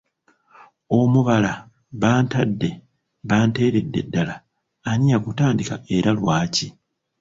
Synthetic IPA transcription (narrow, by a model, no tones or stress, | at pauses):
o̞muβala | βaːntadːe̞ | βaːnte̞ːɾe̞dːe̞̰dːalaː | ɲiɲakutaːndikae̞ɾalwaːci